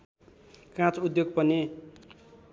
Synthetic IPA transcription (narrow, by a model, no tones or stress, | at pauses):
kãt͡sud̪joɡpʌni